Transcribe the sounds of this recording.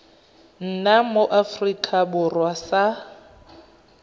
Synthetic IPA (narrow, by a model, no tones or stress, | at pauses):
n̩namoʔafrikʼabʊrwasa